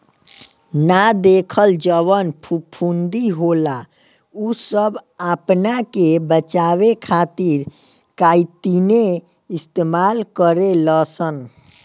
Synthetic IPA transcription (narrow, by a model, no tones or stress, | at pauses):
nad̪ekʰəld͡ʒəʋənpʰupʰund̪iɦola | usəbapnakebət͡ʃawekʰat̪iɾ | kait̪ine | ist̪emalkəɾeləsən